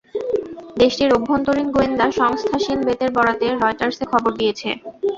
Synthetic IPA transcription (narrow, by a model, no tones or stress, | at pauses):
d̪eʃʈiɾobʱːont̪oɾinɡoend̪aʃɔŋst̪ʰaʃilbet̪eɾbɔɽat̪eɾɔjʈaɾsekʰɔboɾd̪ijet͡ɕʰḛ